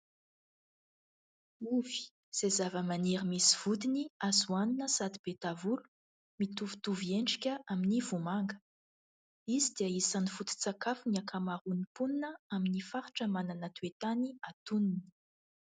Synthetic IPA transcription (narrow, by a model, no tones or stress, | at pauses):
uvi̥ | z̥ezavəmaneɾəmisi̥v̥ud̪iniazuaninəsad̪ib̥et̪avulu̥ | mit̪uvi̥t̪uvieɳɖ͡ʐikʲəʔaminivumaŋɡə̥ | izid̪iəisanifut̪i̥t͡sakafuniakʰamaɾunipuninəaminifaɾu̥ʈ͡ʂəmananət̪uet̪aniat̪unini̥